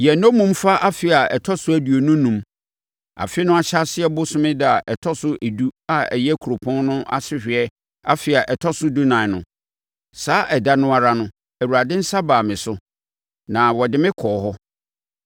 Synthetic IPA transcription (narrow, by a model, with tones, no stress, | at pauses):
jɛ˨nõ˦mũ˦mfa˦ʔa˦fɪ˨a˨ɛ˨tʰɔ˦sʊ˦æ˨du˨o˨nʊ̃˦nũ˨m | a̰˨fɪ˦nʊ̃˦a˦ɕa˦sɪ˦ɛ˦bʊ˦sʊ̃˦mɪ̃˦dɪ˦˨a˨ʔɛ˨tʰɔ˦sʊ˦ʔe˨du˦a˦ɛ̰˨jɛ˦kʰu˨ɾo˨pʰɔ̃˦nnʊ̃˦ʔa̰˦sɪ˦hᶣɪ˨ɛ˦ | a̰˦fɪ˨a˨ʔɛ˨tʰɔ˦sʊ˦du˦nã˨nʊ̃˨ | saː˦ʔɛ˨da˦nʊ̃˦a˨ɾa˦nʊ̃˦ | ɛæ˨wu˨ɾa˨dɪ̃˦n̩˦sa˦baː˨mɪ̃˨sʊ˦ | nã˨wɔ˨dɪ˦mɪ̃˦kʰɔː˨ɦɔ˦